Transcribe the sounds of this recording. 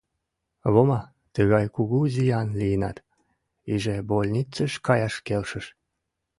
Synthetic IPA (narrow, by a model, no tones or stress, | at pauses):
βomɑ | t̪əɣɑjkuɣuzijɑnlijənɑ̰t̪ | iʒebolʲnʲit͡səʃkɑjɑʃkelʃə̆ʃ